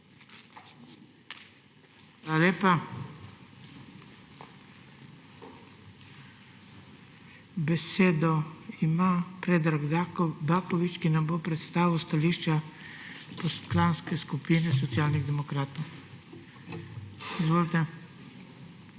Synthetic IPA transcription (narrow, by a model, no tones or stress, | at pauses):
xaːlaleːpa | bɛseːd̪ɔimaːpɾeːd̪ɾaɡd̪aːkɔʋit͡ʃkinamboːpɾɛt̪st̪aːʋiwst̪aliːʃt͡ʃa | pɔslanskɛskupiːnɛsɔt̪sjaːlniɣd̪ɛmɔkɾaːt̪ow | izʋoːlt̪ɛ